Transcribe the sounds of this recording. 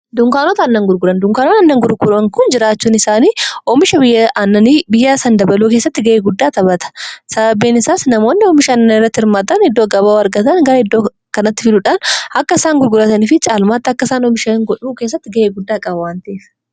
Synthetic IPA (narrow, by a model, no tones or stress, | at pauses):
d̪ʊŋkaːnoːt̪ɐːnːɐŋɡʊɾɡʊɾɐnd̪ʊŋkaːnoːnɐnːɐŋɡʊɾɡʊɾɐŋkʊnd͡ʒɪɾaːt͡ʃːuːnɪsaːniːʔɔmɪʃɐbɪjɐnːɐniːbɪjːaːsɐnd̪ɐbɐluːkeːsːɐt̪ːɪɡɐʔeːɡʊd̪ːaːt̪ɐbɐt̪ɐ̥sɐbɐbeːnɪsaːsnɐmo̞ːnːɪɔmɪʃɐɐnːɐɪrːɐt̪ːɪhɪɾmaːt̪ɐnɪd̪ːoːɡɐbaːɐɾɡɐt̪ɐnɡɐɾɐɪd̪ːoː | kɐnɐt̪ːɪfɪlʊᶑaːnɐkːɐɪsaːŋɡʊɾɡʊɾɐt̪ɐniːfɪt͡ʃʼaːlmaːt̪ːɪɐkːɐɪsaːnɔmɪʃɐŋɡɔᶑuːkeːs̬ːɐt̪ːɪɡɐʔeːɡʊd̪ːaːkʼɐbɐwaːnt̪eːf